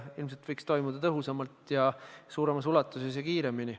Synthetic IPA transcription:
ilmse̞lt̪v̥ɤjkst̪o̞jmud̪̥ɑt̪ɤɦusɑmɑlt̪jɑsuːɾe̞mɑsulɑt̪ːˑuse̞sjɑkiːɾe̞mini

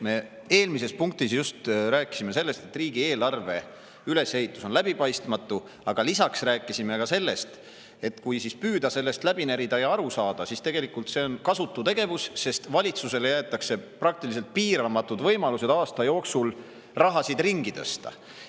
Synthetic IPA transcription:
me̞ | e̞ːlmise̞spuŋk̚t̪isjust̪ɾæːkːˑisime̞se̞lːe̞st̪e̞t̪ːˑriːɡ̥ie̞ːlɑrve̞ | yle̞she̞ɦit̪ːˑuso̞nlæb̥ipɑjst̪mɑt̪ːˑu | ɑɡ̥ɑlisɑksræːkːˑisime̞kɑse̞lːe̞st̪ | e̞t̪kujsispyːd̪ɑse̞lːe̞st̪læb̥inæɾid̪̥ɑjɑɑɾusɑːd̪̥ɑsist̪e̞ɡ̥e̞likːˑult̪se̞o̞nkɑsut̪ːut̪e̞ɡ̥e̞vusːe̞st̪vɑlʲit̪suse̞le̞jæet̪ːˑɑkse̞prɑk̚t̪ilis̬elt̪̚piːɾɑmɑt̪ːˑud̪vɤ̞jmɑluse̞d̪̥ɑːst̪ɑjo̞ːksul | rɑɦɑsid̪̥riŋɡ̥it̪ɤ̰st̪ɑ̰

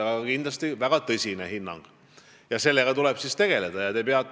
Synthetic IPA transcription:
ɑɡɑɑkind̪lɑst̪ivæɡ̥ɑt̪ɤsʲine̞hinːɑ̰ŋɡ̥ | jɑse̞lːe̞ɡ̥ɑt̪ulɛb̥sist̪e̞ɡ̥e̞le̞d̪̥ɑjɑt̪e̞peɑt̪ː

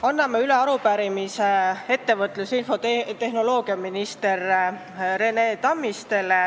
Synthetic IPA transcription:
ɑnːɑmeyleɑɾupæɾimisee̞t̪ːe̞vɤt̪ːˑlusinfo̞t̪t̪e̞ɦno̞lo̞ːɡ̥iɑminist̪e̞r | re̞neːt̪ɑmːist̪e̞l

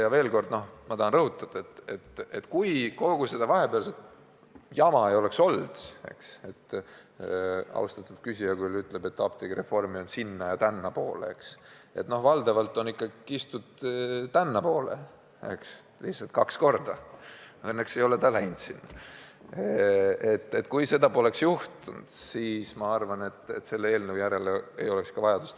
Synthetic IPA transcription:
jɑve̞ːlko̞rd̪̥no̞hmɑt̪ɑɦɑnrɤɦut̪ˑːɑd̪̥ɑet̪ːe̞t̪et̪kujko̞ɡ̥use̞d̪̥ɑvɑɦe̞peɑlset̪ | jɑmɑejo̞le̞kso̞ld̪̥e̞̰kse̞t̪ː | ɑ̰uwst̪ɑt̪ːˑud̪̥̚kysʲijɑkujlyt̪ːle̞b̥e̞t̪ːɑp̚t̪iɡre̞fo̞rmio̞nsinːɑjɑt̪ænːɑpo̞̰ːlḛḛkse̞̰t̪no̞hvɑld̪̥ɑvɑlt̪ːˑo̞nikːɑist̪ud̪̥t̪ænːɑpo̞ːlḛ | ḛks | lihsɑlt̪kɑksko̞rd̪̥ɑ | ɤnːekse̞jo̞let̪ɑlæjnd̪sinːɑ | et̪ːe̞t̪ːkujse̞d̪ɑpo̞le̞ksjuht̪und̪̥siːsmɑɑrvɑne̞t̪ːet̪se̞lːee̞ːlnəwjæɾe̞lee̞̰jo̞lekskɑvɑjɑd̪̥ust̪

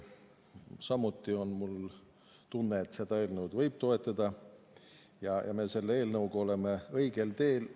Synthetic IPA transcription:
sɑmːut̪ːˑio̞nmul | t̪unːe̞ːt̪se̞d̪ɑe̞ːlnɤwd̪vɤjb̥̚t̪o̞e̞t̪ːˑɑd̪̥ɑ | jɑjʔɑ̰me̞ːse̞lːeeːlnɤwɡ̥o̞le̞me̞ɤ̞iɡ̥e̞lt̪e̞ːl

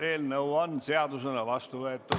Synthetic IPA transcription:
eːlnɤwonseɑd̪usenɑvɑst̪uvɤet̪ːˑu

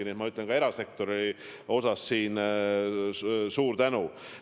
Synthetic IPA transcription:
iniet̪mɑyt̪ˑle̞nkɑe̞ɾɑse̞k̚t̪o̞ɾi | o̞sɑsːiːn | suːɾt̪ænu

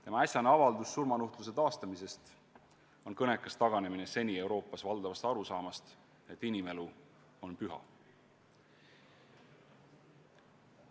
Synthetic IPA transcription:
t̪e̞mɑæsʲjɑneɑvɑld̪usːurmɑnuht̪lus̬e̞t̪ɑːst̪ɑmise̞st̪ | o̞nkɤne̞kːˑɑst̪ɑɡ̥ɑne̞minese̞nʲie̞wɾo̞ːpːˑɑsvɑld̪ɑvɑst̪ɑɾusɑːmɑst̪ | e̞t̪ːˑinʲime̞lu | o̞npyɦɑ̰

